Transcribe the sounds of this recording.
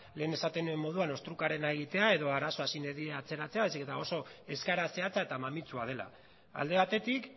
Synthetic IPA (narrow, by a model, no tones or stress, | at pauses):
le̞ːne̞sat̪e̞nue̞mːo̞ðuano̞st̪ɾukaɾe̞naeɣ̞it̪eae̞ðo̞aɾaso̞asineðieat͡se̞ɾat͡se̞aβajs̬eke̞t̪ao̞so̞e̞skaɾase̞at͡sae̞t̪amamit͡suað̞e̞la̰ | a̰ld̪e̞βat̪e̞t̪ik